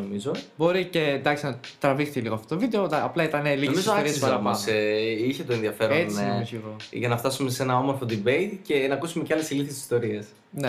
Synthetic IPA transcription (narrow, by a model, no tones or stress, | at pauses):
omizobo̞ɾice̞d̪ɐksinɐt̪ɾɐvixθiliɣoɐft̪otovid̪eoɐplɐit̪ɐnelismiszosoissɐɾɐɐeiçet̪oenðiɐfe̞ɾoeiemizseɣoʝɐnɐft̪ɐsume̞senɐo̞moɾfo̞d̪ibejt̪ce̞nɐkusume̞ceɐle̞siliθessist̪o̞ɾies | ne